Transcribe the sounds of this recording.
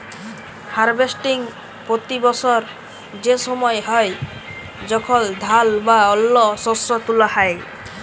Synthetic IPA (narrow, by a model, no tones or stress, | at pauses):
haɾbesʈiŋ | pɾot̪ibɔsɔɾ | d͡ʒesɔmɔeɦɔe | d͡ʒɔkʰɔld̪ʱalbaɔlːɔsosɔt̪ulɔhae